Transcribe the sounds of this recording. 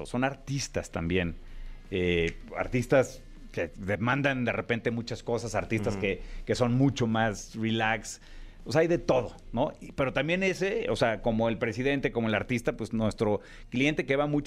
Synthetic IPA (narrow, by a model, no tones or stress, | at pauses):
oso̞naɾt̪ist̪ast̪a̰mbje̞nea̰ɾt̪ist̪as | keðemãnd̪and̪e̞repe̞nt̪e̞mut͡ʃasko̞sasaɾt̪ist̪aske̞ke̞so̞nmũt͡ʃo̞masrilaks | osaajðe̞t̪o̞ð̞o̞no̞ipe̞ɾo̞t̪ambje̞ne̞se̞oseako̞moelpɾe̞siðe̞nt̪e̞ko̞mo̞e̞laɾt̪ist̪apwe̞snwe̞st̪ɾo̞ | klije̞nt̪e̞keβamut͡ʃ